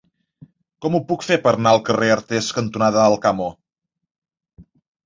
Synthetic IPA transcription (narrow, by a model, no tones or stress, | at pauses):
kɔmupukfepəɾnaəlˠkəreəɾt̪eskənt̪unaðəəlˠkamo